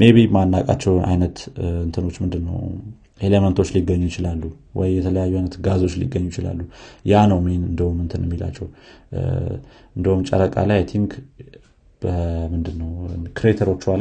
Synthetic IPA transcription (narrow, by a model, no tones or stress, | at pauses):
me̞βimanːakʼa̰t͡ʃːɛwa̰jnət̪ɨnt̪ʰəno̞t͡ʃːmɨnd̪ɨnːə̰w | ʔelemənt̪ʰo̞t͡ʃːliɡəɲːujɪt͡ʃɪlalːu | wɔ̰jjɛt̪ʰələjajːuajnət̪ɡazo̞t͡ʃːlḭɡəɲːujɪt͡ʃɪla̰lːujanəwmeenɨnd̪əhumɨnt̪ʰɨnjɛmːila̰t͡ʃːɛw | ɨnd̪əhumt͡ʃʼə̰ɾəkʼa̰lajet̪ʰiŋɡ | bəmɨnd̪ɨnːəwkɾet̪ʰəɾo̞t͡ʃːwa